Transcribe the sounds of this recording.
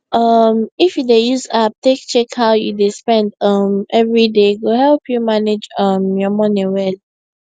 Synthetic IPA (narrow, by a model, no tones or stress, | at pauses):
ʔʌmifjudejuzap̚tek̚t͡ʃɛkhaʊjṵdespɛ̃ndʌmɛvɹideɡohɛlpʰjumaned͡ʒʌmjɔmɔnĩwɛl